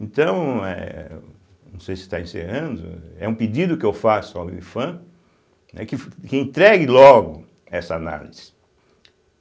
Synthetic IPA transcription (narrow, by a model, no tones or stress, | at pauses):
ẽt̪ɐ̃w̃ɛ̰ | nɐ̃w̃sejsɪ̥t̪a̰ẽsḛhɐ̃nd̪ʊɛũpid͡ʒid̪ʊkɪewfasʊawifɐ̃ | nɛ̰kɪkɪẽnt̪ɾɛɡɪlɔɡʊ | ɛsɐana̰liz̥ɪ̥